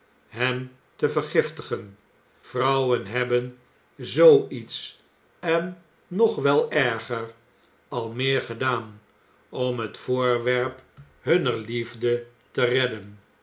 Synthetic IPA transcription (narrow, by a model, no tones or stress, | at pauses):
ɦɛm | təvəɹχɪftəχən | v̥rʌwənɦɛbən | zowits | ɛnː | ɔχʋɛlˠɛɹχəɹ | ɑlˠmɪːɹχədaːn | ɔmɦətfʊːɹʋɛɹp | ɦɵnəɹlivdə | tərɛdən